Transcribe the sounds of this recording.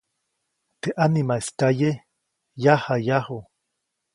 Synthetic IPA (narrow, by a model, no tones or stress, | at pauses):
t̪eʔanimaestaje | jahajaho